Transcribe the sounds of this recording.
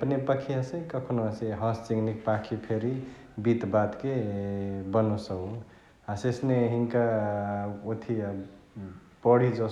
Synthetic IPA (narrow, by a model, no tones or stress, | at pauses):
pnepəkʰiasekəkʰonoseɦɔst͡ʃiŋnik̚pakʰipʰeɾi | bit̪bat̪ke | bənusəu | asesneɦiŋka | ot̪ʰi | pɔɽid͡ʒo